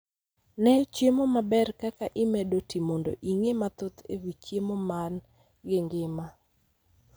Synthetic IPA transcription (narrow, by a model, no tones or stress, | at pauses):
nɛt͡ʃjemomabɛrkakaʔɪmɛdotimondo̰ʔiŋemat̪ot̪ewit͡ʃjemoman | ɡɪŋɡɪma